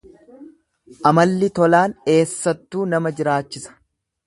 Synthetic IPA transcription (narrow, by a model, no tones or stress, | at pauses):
ʔɐmɐlːɪt̪ɔlaːne̞ːsːɐt̪ːuːnɐmɐd͡ʒɪɾaːt͡ʃːɪsɐ̥